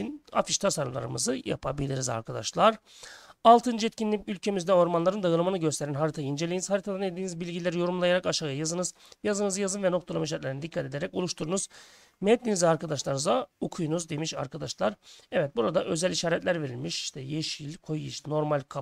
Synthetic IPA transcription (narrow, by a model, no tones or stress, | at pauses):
ina̰fiʃt̪ʰasaɾlˠa̰ɾɯmɯ̰zɯja̰pʰa̰bilʲiɾiza̰ɾkʰad̪a̰ʃlˠaɾ | alˠt̪ʰɯnd͡ʒɛt̪cʰinlʲipylʲcʰe̞mizd̪ɛo̞ɾmanlˠaɾɯnd̪ajɯlˠɯmanɯɟø̞st̪ʰeɾænɦaɾit̪ʰajind͡ʒe̞lʲijiniz̥haɾit̪ʰad̪aned̪iːnizbilʲɟilʲeɾijo̞ɾumlˠajaɾakaʃaɣajazɯnɯz | jazɯnɯzjazɯnvɛnokt̪ʰalˠamaʃ̬aɾt̪lʲeɾinid̪ikʰːat̪e̞d̪eɾɛco̞lˠuʃt̪ʰuɾunuz̥ | mɛt̪nʲinizʲɛaɾkad̪aʃlˠaɾnɯzaokʰujunuzd̪e̞miʃa̰ɾkʰad̪aʃlˠaɾɛvɛt̪̚buɾad̪aʔøzɛlʲiʃaːɾɛt̪lʲæɾve̞ɾilʲmiʃi̥ʃt̪ʰɛjeʃilʲkʰo̞jiʃno̞ɾmalʲkʰa